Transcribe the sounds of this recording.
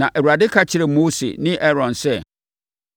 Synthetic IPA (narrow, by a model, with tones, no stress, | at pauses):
nã˨ʔɛ˨wu˨ɾa˨dɪ˦kʰa˨t͡ɕʰɪ˦ɾɛ˨moː˦sḛ˨nɪ̃˦ʔɛ˦ɾɔ̃˨nsɛ˦